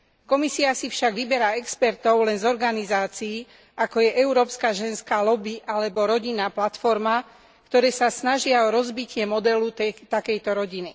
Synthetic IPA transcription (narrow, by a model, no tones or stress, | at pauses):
kɔmisiasifʃaɡʋibɛɾaːɛkspɛɾt̪ɔʊlɛnzɔɾɡanizaːt͡siː | ʔakɔjɛʔɛuɾɔːpskaːʒɛnskaːlɔbiʔalɛbɔɾɔɟinːaːplat̪fɔɾma | kt̪ɔɾɛːsasnaʒɪaɔɾɔzbicɪɛmɔd̪ɛlut̪ɛt̪akɛjt̪ɔɾɔɟini